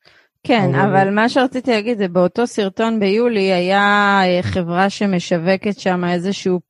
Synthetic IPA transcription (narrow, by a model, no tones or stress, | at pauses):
kenavalmaʃeʁat͡sit̪ilaɡid̪zebeo̞to̞siʁto̞nbe̞juliajaeχe̞vʁaʃe̞me̞ʃave̞ke̞tʃamae̞zeʃuu